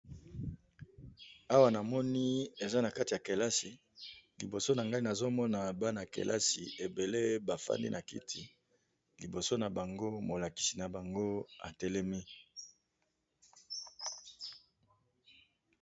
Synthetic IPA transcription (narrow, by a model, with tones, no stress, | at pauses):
a˦wa˦na˨mɔ˦ni˦e˨za˦na˨ka˦ti˨a˨ke˨la˦si˨ | li˨bo˨so˦na˨ŋɡa˦i˦na˨zo˦mɔ˦na˨ba˦na˨kḛ˨lʔa̰˦si˨e˨be˨le˦ba˨fa̰˦ndḭ˦nʔa˨kḭ˦tʰi˨ | li˨bo˨so˦na˨ba˨ŋɡo˦mo˨la˨ki̥˨si˨na˨ba˨ŋɡo˦a̰˨tɛ˦lɛ˦mi˦